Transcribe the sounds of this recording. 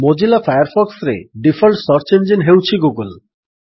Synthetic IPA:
mod͡ʑilafʰajaɾfʰɔksɾḛɖifʰɔlʈsɔɾt͡ʃend͡ʒinɦewt͡ɕʰiɡuɡul

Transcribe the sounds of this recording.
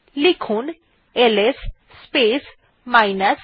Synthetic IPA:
likʰun | elesː | pes | majnas

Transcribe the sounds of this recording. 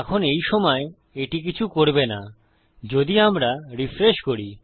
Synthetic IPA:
ɛkʰonejʃɔmɔe | eʈik̬it͡ɕʰukoɾbena | d͡ʑod̪iamɾaɾifɾeʃkoɾi

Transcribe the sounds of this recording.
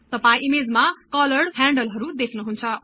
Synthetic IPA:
t̪ʌpaĩʔimed͡zmakʌlʌɽɦãɳɖʌlɦʌɾud̪ekʰnuɦunt͡sʰʌ

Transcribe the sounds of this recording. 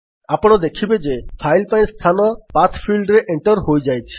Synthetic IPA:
apɔɽ̃ɔd̪ekʰibed͡ʒepʰajlpaj̃st̪ʰanɔpat̪ʰpʰilɖɾeʔeɳʈɔɾɦojd͡ʒajt͡ʃʰi̥

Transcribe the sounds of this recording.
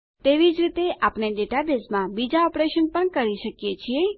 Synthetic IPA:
t̪eʋid͡ʒɾit̪eʔaːpneɖeʈad̪esmãbid͡ʒaɔpɾeʃənpəɳkəɾiʃəkjet͡ʃʰie

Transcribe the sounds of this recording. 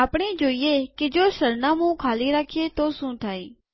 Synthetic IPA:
aːpɳeːd͡ʒoːijekɪd͡ʒoːsəɾnãːmũkʰaːliɾaːkʰjet̪oːsũːt̪ʰaːiː

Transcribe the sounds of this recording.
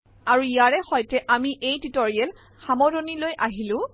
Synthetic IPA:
aɹuijaɹɛxɔjtɛʔamiʔejtitoɹiɛl | xamɔdonilojʔaɦilʊ̃

